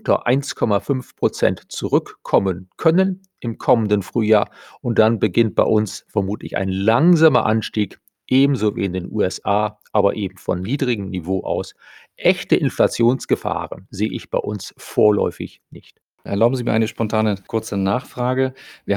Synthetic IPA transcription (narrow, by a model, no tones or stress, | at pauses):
ʊntɐ̰ʔa̰ɪnskʰɔmafʏnfpʁ̥ot͡sɛ̰ntt͡suʁʏkːʰɔmənkʰœnən | ʔɪmkʰɔməndənfʁ̥yːjaːɐʔʊnt̚d̥anbəɡɪnt̚b̥a̰ɪʔʊnsfɛɐmuːtlɪçʔa̰ɪnlaŋzaːmɐ̰ʔanʃtiːk | ʔeːbm̩zoːvḭːɪndeːnʔṵːɛsʔaːʔaːbɐ̰ʔeːbm̩fɔ̰nːiːdʁɪɡŋ̩nivoːʔa̰ʊs | ʔɛçtəʔɪnflat͡sjoːnsɡ̥əfa̰ːʁənzeːəʔɪçb̥a̰ɪʔʊ̰nsfoːɐlɔ̰ʏfɪ̰çnɪçt | ʔɛɐlaʊbm̩ziːmiːɐʔaɪnəʃpɔntʰaːnəkʰʊɐt͡sənaːχfʁ̥aːɡəviːɐ